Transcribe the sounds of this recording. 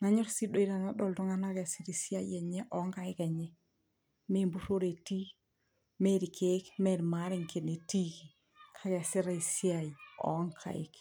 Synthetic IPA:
ŋa˦ɲɔ˦ɾsi˦do˦i˦ɾa˨na˦dɔ˨ltɔ˦ŋa˦na˦ka˨si˨ɾi˨si˦a˦jiɛ˨ɲɛ˦ʔɔ˨˦ŋka˨ɪ˦ka˨ɲɛ˦ | me˦mbu˦ɾo˦ɾe˨ti˦ | me˦ɾi˨kʰe˦kme˨ɾma˦ɾɪ˨ŋke˨ne˨ti˦ki˨ | kʰa˦ka˨sɪ˦ɾa˨i˨si˦a˨i˨ɔ̰˨˦ŋkʰa̰˨ɪ̰˦k

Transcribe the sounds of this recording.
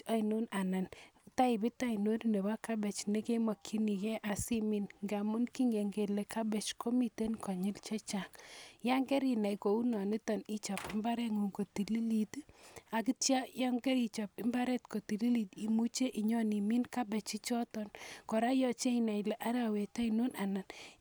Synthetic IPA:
a˦i˨nu˦na˨na˨nta˦ɪ˨bɪ˦ta˦i˨no˦ɾi˦ne˨ba˦ka˦bɛ˨t͡ʃne˦ke˦ma˨kʰi˦ni˨kɛ˦ʔa˨sɪ˦mi˦nŋɡa˨mʊ˦nki˦ŋɡe˨ŋɡe˨le˨kʰa˦bɛ˨t͡ʃko˦mi˦˨te˦nkɔ˨ɲɪ˦lt͡ʃɛ˦t͡ʃa˨kja˦ŋɡɛ˦ɾi˨na˨iko˨u˦nɔ˨ni˦tɔ˨ni˦t͡ʃɔ˨pɪ˦mba˦ɾɛ˦ŋu˨ŋko˨ti˨li˦li˨ta˨ki˦tja˦ja˦ŋɡɛ˦ɾi˨t͡ʃɔ˨pɪ˦mba˦ɾɛ˦tko˨ti˨li˦li˨ti˨mu˦t͡ʃe˦ʔi˨ɲɔ˦ni˨mi˦nka˦bɛ˨t͡ʃi˦t͡ʃɔ˦tɔnkɔ˨ɾa˦jɔ˦t͡ʃe˦i˨na˨ɪ˨lɛ˨ʔa˦ɾa˨we˨ta˦i˨no˦nʔa˨na˨n

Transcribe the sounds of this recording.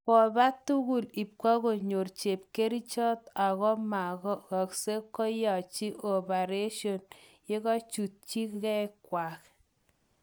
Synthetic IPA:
kɔ˨ba˦t̪u˦ɣu˨li˨p̚kɔ˦ɣo˨ɲo˨rt͡ʃe˨p̚ke˦ɾi˦t͡ʃɔ˦t̪a˨ɣɔ˦ma˨ɣɔ˦ka˨kse˦kːɔ˦ja˨t͡ʃi˦ʔo˨pa˨ɾe˦ʃjo˨nje˦ɣɔ˦t͡ʃu˨t̚t͡ʃi˦kkɛ˦kːwa˨k

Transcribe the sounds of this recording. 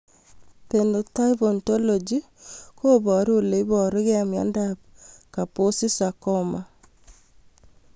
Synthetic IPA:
pendo˨ta˦ibonto˦lo˨d͡ʒi | ko˦bɔ˨ɾu˦le˨ibɔ˨ɾo˦kɛ˦amja̰˦ndapka˨po˦si˦sakɔ˦ma˨

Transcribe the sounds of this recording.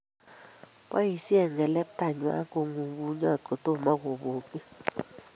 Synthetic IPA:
pa̰˦i˨sjɛ˦˨ŋɡɛ˨lɛ˦p̚ta˨ɲwa̰˦ko˨ŋu˨ɡu˨ɲɔ˦˨t̚ko˨to˦˨ma˦ɣo˨βo˨ki˦

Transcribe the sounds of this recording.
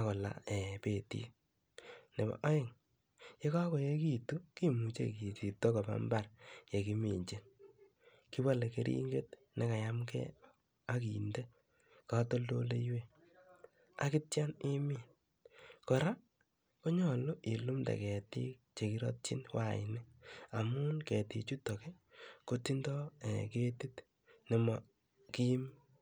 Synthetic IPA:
akɔ˨la̰˨e˨pe˨tḭ˦ | ne˨ba̰˨ʔɔ˦je˨ŋ | je˦ka˦kɔ˨je˦ki˦tu˦ki˦mu˨t͡ʃḛ˨ki˨t͡ʃi˨to˦kɔ˨ba̰˦mba˦ɾje˨ki˦mi˨ɲt͡ʃi˦n | ki˦wa˦le˨ke˦ɾʔḭ˦ŋɡe˦t̚ | nʔe˦ka˨ja˦mkɛ̰˦ | a˦ki˨nde˦ | ka˦to˦lo̰˦le˦jwe˦ | a̰˦kɪ˦tja˦nɪ˦mi˦˨n | kɔ˨ɾa˦ | ko˦ɲɔ˨lo˦ʔi˨lu˦mda̰˨kɛ˨ti˦k̚t͡ʃe˨ki˦ɾɔ̰˦t̚t͡ʃi˦nwa˦˨ɪ̰nɪ˦a˨mʊ˦nkɛ˨ti˨t͡ʃu˦tɔ˨kɛ˦ | ko˦ti˦ndɔ˦ɛ˨ke˦ti˦t | nɪ˨mɔ˨ | ki˦ji˦m

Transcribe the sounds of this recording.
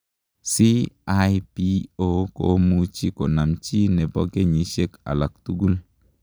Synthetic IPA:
si˦a˦jpi˦o˦ko̰˨mu˦t͡ʃi˦ko˨na˨mt͡ʃi˦nɛ˨bɔ˦ɡe˦ɲi˨˦ʃe˦ka̰˨la˨k̚tu˦ɡu˦l

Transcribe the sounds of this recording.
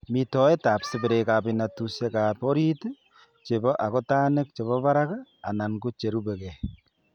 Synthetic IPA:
mi˨to˨˦je˦ta˨psɪβe˨ɾe˨ka˨βina˨tuse˦ka˨po˦ɾi˦t | t͡ʃe˨βo˦ʔa˨ɣo˦taː˦ne˦k̚t͡ʃe˨βo˦βa˦ɾa˦kaː˦˨na˨ŋɡu˦t͡ʃe˨ɾu˦βe˨ɣe˨

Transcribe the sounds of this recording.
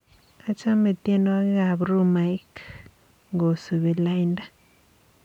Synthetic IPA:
a˦t͡ʃa˦me˧t̪je˦no˦a˦ɡa˨bɾu˦ma˨jk | ŋɡo˨su˨βi˨la˦jnda˦

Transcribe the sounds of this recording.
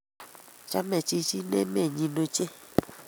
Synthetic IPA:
t͡ʃa˦mɛ˨t͡ʃi˧t͡ʃi˦nḛ˦me˦˨ɲĩ˧no˧t͡ʃe˦

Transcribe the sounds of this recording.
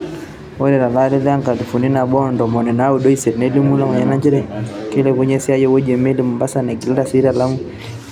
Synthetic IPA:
wɔ˦ɾɛ˨ɾa˨la˦le˦ða˦ŋka˨di˨fu˨ni˦na˨bɔ˦˨ndɔ˨mɔ˨nɛ˨na˦u˨do˦i˦se˨ɾnɛ˦li˦mu˦la˦˨ma˨ɲa˨na˦t͡ʃi˦ɾɛ˦˨ke˦lɛ˨ku˦ɲɛ˦si˦a˦jɔ˦wo˦d͡ʒɛ˨me˦li˦mu˨mba˦sa˨nɛ˨ɡi˨lɾa˦˨si˦ɾa˨la˦mu˦

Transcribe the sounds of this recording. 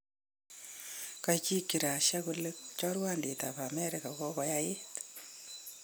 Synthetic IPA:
kat͡ʃi˦kːi˨ɾa˨ʃaku˦lek̚t͡ʃɔrwande˨taba˨mɛɾɪka˨kɔ˦kɔ˦jae˦t

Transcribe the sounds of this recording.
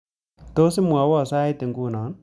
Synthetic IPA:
to˦sɪ˦mwa˨˦wɔ˦˨sa˦ɪ˦te˨ŋɡu˦˨na˨˦n

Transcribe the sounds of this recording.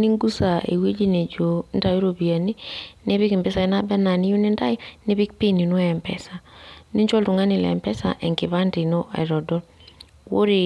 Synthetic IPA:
ni˦ŋɡu˦sa˨ḛ˨we˦d͡ʒi˦ne˨d͡ʒo˨n˦da˨ju˦ɾo˨bi˨a˨ni˦ne˦βɪ˦ki˨mbɪ˦sa˨ɛ˨na˦bɛ˦na˨nɪ˦ju˦nɪ˦nda˦jne˦βɪ˦k̚pi˦ni˨nu˦ɛ˨mpɛ̰˨sa˨ni˦ɲt͡ʃɔ˦ltu˨ŋa˦nɪ˨lɛ̰˨mpɛ˦sa̰˨ʔɛ˨ŋkɪ˨βa˦ndɪ˨no˦ʔa̰˨ɪ˨ɾɔ˨dɔ˦l | wo̰˦ɾe˨

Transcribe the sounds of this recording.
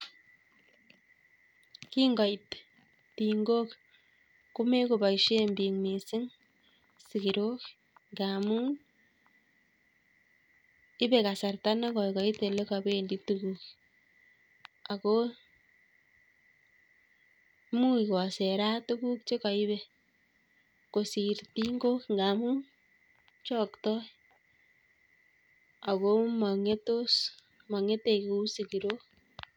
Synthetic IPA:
ki˦ŋɡɔ˨jt | ti˨ŋɡo˦k | ku˦me˦ku˨ba˨iʃe˦mbi˨ŋme˨sɪ˦ŋ | si˨ki˨ɾo˦k | ŋɡamu˦ŋ | ɪ˦be˨ka˨sa˨rta˦na˦kɔ˨i˨ka˨i˦te˨le˦ka˨be˦˨ndi˦tukuk | a˨ko˦ | mu˦ikɔ˨sɛɾa˦tu˦ku˦kt͡ʃe˦ka˨i˦bɛ˨ | ko˨si˨rti˦ŋɡo˦kŋɡa˨mu˦ | t͡ʃɔ˦ktɔ˦i | a˨ko˦ma˨ŋe˦to˦s | ma˨ŋe˦te˨ku˨˦siki˨ɾo˦

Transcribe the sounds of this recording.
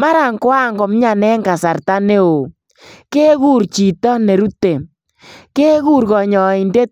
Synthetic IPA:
ma˦ɾa˨ŋkwa˦ŋɡɔ˨m˦ɲa˨nɛ˦ŋɡa˨sa˨rta˦ne˦o˨ | ke˦ɣu˦˨ɾt͡ʃi˨tɔ˦ne˨ɾu˦te˨ | ke˦ɣu˦ɾɣɔ˨ɲɔ˨i˨nde˦t

